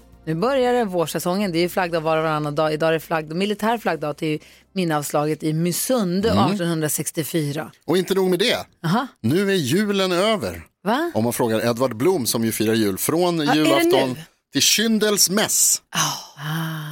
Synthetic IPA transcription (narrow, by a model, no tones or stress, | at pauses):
nʉ̟ːbœɾjaɾəvoːʂɛsɔŋːənd̪ɛæjɵflaɡd̪ɑːd̪vɑːɾavaɾanːad̪ɑːɪd̪ɑːɛɾflaɡ̚d̪mɪlɪt̪ʰæːɾflaɡ̚d̪ɑːt̪ʰɛj | mɪnːəɑːvslɑːɡət̪ɪmʏsɵnd̪əʔɑːʈɔnhɵnd̪ɾasɛkst̪ɪfyːɾaʔɔɪnt̪ənuːɡmɛd̪ɛɦɑnʉ̟ːæɾjʉ̟ːlənøːvə̰ɾ | vaʔɔmːanfɾoːɡaɾɛd̪vaɖblumːsɔmjɵfiːɾajʉ̟ːlfɾoːnjʉ̟ːlaɛft̪ɔnː | t̪ʰɪlɕʏnd̪əlsmɛs | a